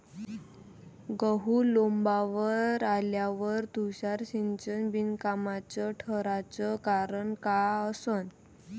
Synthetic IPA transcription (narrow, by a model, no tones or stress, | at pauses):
ɡəɦulombaʋəɾaljaʋəɾt̪uɕaɾɕint͡ɕənbinkamat͡səʈʰəɾat͡səkaɾəɳkaəsən